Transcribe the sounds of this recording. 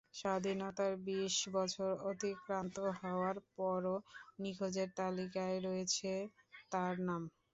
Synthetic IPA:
ʃad̪ʱinɔt̪aɾbiʃbɔt͡ɕʰoɾot̪ikɾant̪oɦɔoaɾpɔɾonikʰod͡ʑeɾt̪alikaeɾɔet͡ɕʰet̪aɾnam

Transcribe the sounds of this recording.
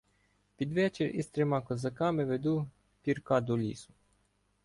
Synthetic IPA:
pʲid̪ʋɛt͡ʃɛɾʲḭst̪ɾemɑkɔzɐkɑmɛʋed̪u | pʲiɾkɑd̪ɔlʲḭsʊ̥

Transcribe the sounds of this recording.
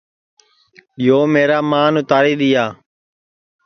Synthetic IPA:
ɪjoːmeːɾaːmaːnʊt̪aːɾiːd̪ɪjaː

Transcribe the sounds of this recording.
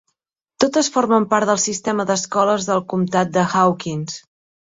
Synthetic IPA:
t̪ot̪əsfoɾməmpaɾt̪d̪əlˠsist̪ɛməðəskɔləzðəlˠkumt̪at̪̚d̪əxawkins

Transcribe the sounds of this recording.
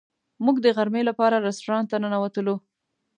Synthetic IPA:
muɡd̪əɣaɾmelapɑɾaɾɪstoɾɑnt̪ananawat̪əlo

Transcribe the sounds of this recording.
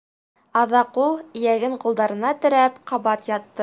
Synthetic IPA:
ɑðɑqulˠjæɡɘɴqulˠd̪ɑɾɤ̆nɑt̪ɵ̆ɾæpqɑβɑt̪jɑt̪ːɤ

